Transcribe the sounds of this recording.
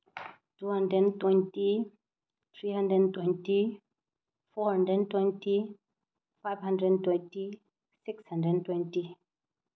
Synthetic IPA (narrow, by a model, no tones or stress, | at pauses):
tuhãndɾɛdntwɛ̃nti | θɹihãndɾɛdn̩twɛ̃nti | fɔhãndɾɛdntwɛ̃nti | fajvhãndɾɛdntwɛ̃nti | sɪkshãndɾɛdntwɛ̃nti